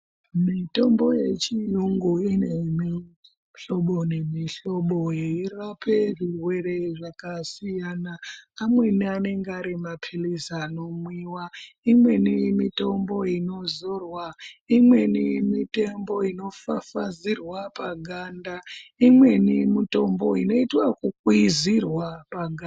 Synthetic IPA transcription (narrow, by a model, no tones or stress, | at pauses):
mito̞mbo̞je̞t͡ʃijuŋɡuinemi | ɬoɓo̞ne̞miɬo̞ɓojeirapʰe̞ʐirwe̞re̞ʐakasijanaːmwe̞niane̞ŋɡaɾimapʰilisano̞mwiːwaimwe̞nijmito̞mbo̞ino̞zorwaimwenijemite̞mbo̞ino̞fafazirwapaɡʱandaimwe̞nimito̞mbo̞ino̞itwakukizirwapaɡʱa